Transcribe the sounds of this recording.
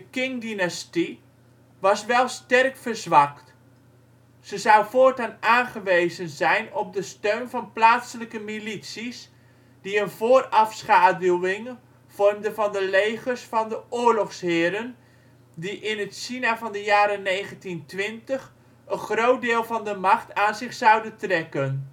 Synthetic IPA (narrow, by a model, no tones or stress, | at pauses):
dəkɪŋdinasti | ʋɑsʋɛlˠstɛrkfəɹzʋɑkt | z̥əzʌwvoːɹtanaːnχəʋejzənzɛjnɔp̚dəstøɥnvɑnplaːtsələkəmilitsis | d̥iənvoːrɑfsχaːduwɪŋ | v̥ɔrmdəvɑndəlejχərsfɑndəʊːɹlɔχsɦɪːɾən | diʔɪnətsinavɑndəjaːɾənejχəntintʋɪntəχ | ənχrowt̚dɪːlˠvɑndəmɑχtaːnzɪχsɑwdəntrɛkən